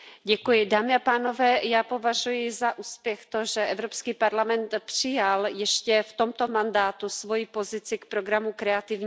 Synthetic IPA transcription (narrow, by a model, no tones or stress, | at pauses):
ɟɛkujɪdaːmɪapaːno̞vɛːjaːpo̞vaʒujɪzaʔuːspjɛxt̪o̞ʒɛʔɛvɾopskiːpaɾlamɛnt̪pr̥ɪjaljɛʃcɛft̪o̞mt̪o̞mandaːt̪usvo̞jipo̞zɪt͡sɪkpɾo̞ɡɾamukɾɛat̪ɪvɲ